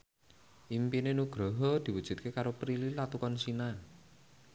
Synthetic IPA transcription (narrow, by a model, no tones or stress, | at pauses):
ʔimpinenuɡ̥ɾɔɦɔd̪̥i̤wud̥ʒ̥ṳt̪̚kekaɾopɾililat̪ukɔnsinan